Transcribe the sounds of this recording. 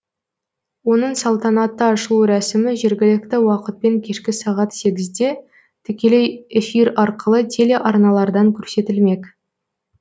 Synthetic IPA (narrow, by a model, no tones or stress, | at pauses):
wo̞nəɴsɑlˠt̪ɑnɑt̪ːəɑʃəlˠuɾæsɪmɪʒeɾɡʲɪlɪk̚t̪ɪwɑqət̪̚pe̞ŋkʲʰe̞ʃkʲɪsɑʁɑt̪se̞ɡʲɪzd̪e̞ | t̪ʰʏkʲe̞le̞jefiɾɑɾqəlˠət̪ʰe̞le̞ʔɑɾnɑlˠɑɾd̪ɑŋkʲʰɵɾse̞t̪ɪlme̞kʲ